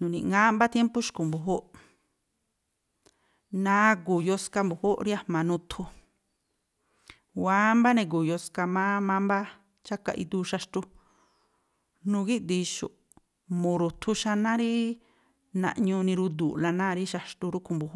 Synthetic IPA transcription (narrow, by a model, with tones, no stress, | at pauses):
nũ˨nḭ̃˧˨˧ŋã˦mba˦t̪je˦mpu˦ʃku˨mbu˨ɦo˦ʔ | nãː˦ku˨jo˧ska˧mbu˨ho˦ʔɾi˦a˦˧mã˨nũ˧t̪ʰu˧ | wa˨˦mba˦nẽ˧k̬u˨jo˧ska˧mã˦mã˦mba˦ | t͡ʃa˦ka̰˧ʔḭ˧d̪u˧˦ʃa˧ʃt̪u˧ | nũ˧ɡi˦d̪i˧ʃṵ˨ | mũ˨ɾu˨t̪ʰu˧ʃa˧nã˦ɾi˦ | nã̰˧ʔɲũ˧nĩ˧ɾu˧d̪uː˨la˧nãː˦˧ɾi˦ʃa˧ʃt̪u˧ɾu˦ku˧˨mbu˧h